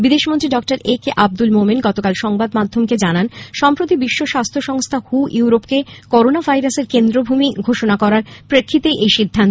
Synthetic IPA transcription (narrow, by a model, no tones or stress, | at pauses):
bid̪eʃmont̪ɾiɖɔk̚ʈaɾekʔab̚d̪ulmominɡɔt̪okalʃɔŋbad̪mad̪ʱomked͡ʑananʃɔmpɾot̪ibiʃːoʃast̪ʰoʃɔŋst̪ʰahuʔjuwɾopkekɔɾonavʱajɾaseɾkend̪ɾobʱumiɡʱoʃonakɔɾaɾpɾekʰːit̪eʔejʃid̪ʱːant̪o